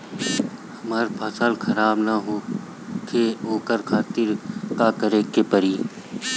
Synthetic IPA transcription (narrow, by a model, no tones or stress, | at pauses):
hɐmaːɾpʰaːsaːlkʰɐɾaːbnaɦo | kʰeɦoːkəɾkʰaːt̪ɪɾkakəɾekepəɾiː